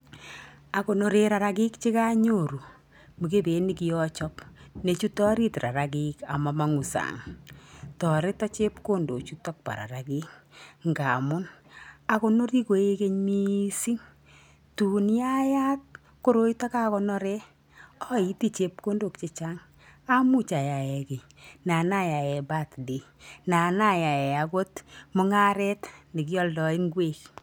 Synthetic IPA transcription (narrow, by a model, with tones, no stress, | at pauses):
a˨ko˨no˨ɾe˦ɾa˨ɾa˦k̬i˦kt͡ʃɪ˦ka˦ɲo˨ɾu˨ | mu˨ke˦be˨˦ni˦ki˨jɔ˦t͡ʃɔ˦pne˨t͡ʃu˦tɔ˦ɾi˦tɾa̰˨ɾa˨k̬ika̰˨ma˨ma˨ŋu˨sa̰ŋ | tɔ˨ɾe˦tɔ˦t͡ʃe˦pko˦ndo̰˨t͡ʃu˦tɔ˦k̚pa̰˨ɾa̰˨ɾa˨ki˦k̚ŋɡa̰˨mʊ˦na˨ko˦no˦ɾi˦ko˨e˦ke˦ɲmi˦si˦ŋ | tu˨nja˦ja˦t̚ | ko˦ɾo˦i˦ta˦ka˦kɔ˦nɔ˦ɾɛ˦ | ɔ˦i˦ti˦t͡ʃe˦p̚ko˦ndo˨kt͡ʃe˨t͡ʃa˦ŋ | a˦mu˦t͡ʃa˨ja˨jɛ˨ke˨ | na˨na˦ja˨jɛ˨ba˦˨tdi˨ | na˨na˦˨ja˨jɛ˨a˨ko˦tmʊ˦ŋa˦ɾɛ˦tni˨k̬i˦ɔ˦ldɔ˨i˦ŋɡwe˦k